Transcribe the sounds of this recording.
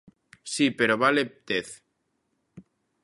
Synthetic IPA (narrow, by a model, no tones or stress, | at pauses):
sipeɾoβalet̪eθ